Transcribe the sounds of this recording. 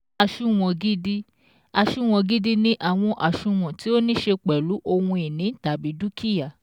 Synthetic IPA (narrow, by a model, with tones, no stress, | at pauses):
a˧˨ʃũ˦w̃ɔ̃˨˧ɡi˦di˦ | a˧ʃu˦˨w̃ɔ̃˨˧ɡi˦di˦nĩ˦ʔa˨w̃ɔ̃˧ʔa˨ʃũ˧w̃ɔ̃˨ti˨˦o˦nĩ˦ʃe˧k͡pɛ˨lu˨˦ʔo˧wũ˧i˨nĩ˨˦ta˨bi˨˦du˦kʰi˦ja˨